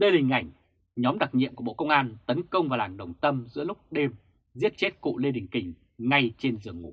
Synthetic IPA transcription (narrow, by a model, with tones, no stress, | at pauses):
ɗe˧ɗï˨˩ŋ̟ʔa˧˩jŋ̟ | ɲɔ˨˦mɗa˨˩k̚ɲḭ˧˨əmku˧˩ɓo̰˧˨kə˧wŋ͡mʔaː˧nt̪ə˨˦nkə˧wŋ͡mvaː˨˩wlaː˨˩ŋɗə˨˩wŋ͡mt̪ə˧mzɨ̰˧˥lʊ˦˥k͡p̚ɗe˧m | zi˦˥ət̚t͡ɕe˦˥t̚kṵ˧˨le˧ɗï˨˩ŋ̟kï˨˩ŋ̟ | ŋa˧jt͡ɕe˧nzɨ˨˩əŋːṵ˧˩˥